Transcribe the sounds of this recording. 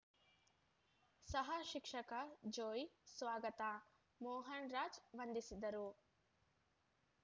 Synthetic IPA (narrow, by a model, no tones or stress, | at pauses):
sɐɦɐʃikʂɐkɐd͡ʒoːjsʋaːɡɐt̪aː | moːɦɐnɾaːd͡ʒʋɐnd̪isid̪ɐɾu